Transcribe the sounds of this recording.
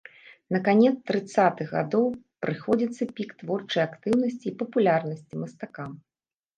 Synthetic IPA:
nɐkanʲɛt̪st̪ɾɨt̪sat̪ɨɣɣa̰d̪ɔw | pɾɨxɔd͡zʲit̪sːɐpʲikt̪vɔrt͡ʂɐjakt̪ɨwnɐsʲt͡sʲiːpɐpulʲarnɐsʲt͡sʲimɐst̪akam

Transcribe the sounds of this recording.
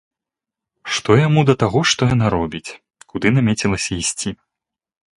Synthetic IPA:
ʂt̪ɔjamud̪ɐt̪aɣɔʂt̪ɔjan̪aɾɔbʲit͡sʲ | kud̪ɨnamʲet͡sʲilˠɐsʲɐisʲt͡sʲi

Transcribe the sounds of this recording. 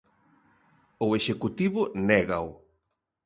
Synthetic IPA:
ʊeʃekut̪iβʊnɛɣaw

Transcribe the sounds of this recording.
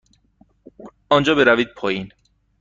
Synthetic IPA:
ɒnd͡ʒɒːbe̞ɾæviːd̪̚pʰɒːjin

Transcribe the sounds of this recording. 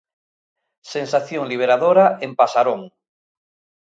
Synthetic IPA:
sẽnsaθjõŋliβ̞eɾaðoɾaempasaɾõŋ

